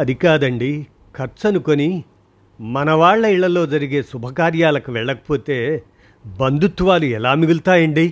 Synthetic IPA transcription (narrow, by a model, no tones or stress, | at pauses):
ɐd̪ʱikaːd̪ɐɳɖi | kʰɐɾt͡ʃɐnukoni | mɐnɐʋaːɭːɐiɭːɐlːoːd͡ʒɐɾiɡesubʱɐkaːɾjaːlɐkɐʋɛɭːɐk̚poːt̪eː | bɐnd̪ut̪ːuʋaːluɛlːaːmiɡult̪aːjɐɳɖi